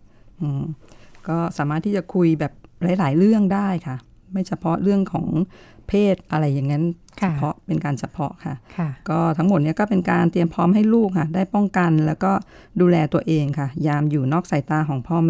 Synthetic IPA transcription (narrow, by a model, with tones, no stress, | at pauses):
ʔɯː˧kɔː˥˩saː˩˦maː˥˩t̪ʰːiː˥˩t͡ɕa˨˩kʰu˧jbɛː˨˩p̚la˨˩˦jlaː˩˦jɾɯ˥˩əŋdaː˥˩jkʰa˥˩ | ma˥˩jt͡ɕʰa˧pʰɔ˦˥ɾɯ˥˩əŋkʰɔ̰ː˩˦ŋpʰeː˥˩t̪̚ʔa˧ɾa˧jːa˨˩ŋːa˦˥n | t͡ɕʰa˧pʰɔ˦˥ʔpe˧nkaː˧nt͡ɕʰa˧pʰɔ̰˦˥ʔkʰa˥˩kɔː˥˩t̪ʰa˦˥ŋmo˨˩t̪̚ni˦˥ɐkɔː˥˩pe˧nkaː˧nt̪i˧əmpʰɔː˦˥mɦa˥˩jluː˥˩k̚kʰa˥˩daː˥˩jpɔ˥˩ŋka˧nlɛː˦˥wkɔː˥˩ | duː˧lɛː˧t̪u˧ɐʔeː˧ŋkʰa˥˩jaː˧mjuː˨˩nɔː˥˩k̚saː˨˩˦jt̪aː˧kʰɔː˩˦ŋpʰɔː˥˩m